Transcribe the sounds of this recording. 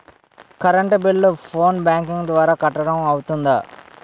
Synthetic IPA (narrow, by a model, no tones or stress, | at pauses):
kɐɾɐɳʈbiɭːupʰoːnbaːŋkiŋɡd̪ʋaːɾaːkɐʈːɐɽɐmɐwut̪und̪aː